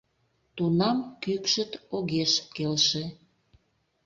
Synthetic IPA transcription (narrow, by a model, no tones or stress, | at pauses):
t̪unɑmkykʃə̆t̪oɣeʃkelʃe